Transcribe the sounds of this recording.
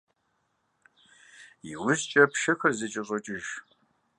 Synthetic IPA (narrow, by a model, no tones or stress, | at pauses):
iwʊzt͡ʃʼɐpʰʃɐxɐrzɨt͡ʃʼɪɕʼɔt͡ʃʼɪʒ